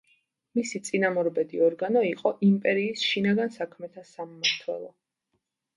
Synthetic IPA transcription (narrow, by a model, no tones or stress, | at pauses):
misit̪sʼinamɔɾbɛd̪iɔɾɡanɔiqʼɔʔimpʼɛɾiːsʃinaɡansakʰmɛt̪ʰasammaɾt̪ʰwɛ̰lˠɔ